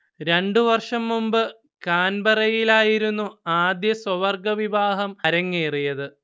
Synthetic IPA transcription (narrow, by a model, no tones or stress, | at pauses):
ɾe̞ɳɖuʋɐrʂɐmːumbɨ | kaːnbɐrɐjilaːjiɾunːuaːd̪jɐswɐʋɐrɡɐʋiʋaːɦɐmɐɾɐŋːeːrijɐðɨ